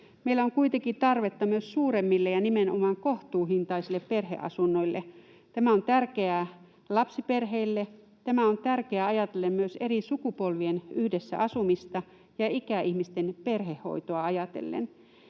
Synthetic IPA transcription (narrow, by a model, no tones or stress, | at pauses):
meilæoŋkuit̪eŋkit̪ɑrʋet̪ːɑmyøssuːɾemːilːejɑnimeno̰mɑŋkoht̪uːhint̪ɑisilːepperhḛʔɑ̰sunːoilːe | t̪æmæont̪ærkeæ | lɑpsiperɦeilːe | t̪æmæont̪ærkeæɑjɑt̪elːemmyøseɾisukupolʋienyhdesːæ̰ʔɑsumist̪ɑ | jɑikæʔihmist̪enperhehːo̰it̪oɑɑjɑt̪ḛlːḛn